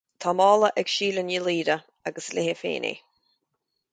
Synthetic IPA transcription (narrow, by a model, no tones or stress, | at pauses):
t̪ʰɔmɑːlˠəʔɛɡʃiːlənjiliːɾə | aɡəslɪhɪfḛːnḛː